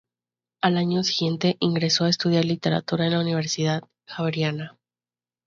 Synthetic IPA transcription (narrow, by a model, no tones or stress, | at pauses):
alaɲo̞siɣje̞nt̪e̞ʔiŋɡɾe̞so̞aest̪uð̞jaɾlit̪e̞ɾa̰t̪uɾaenlauniβ̞e̞ɾsiðað | xaβɾjana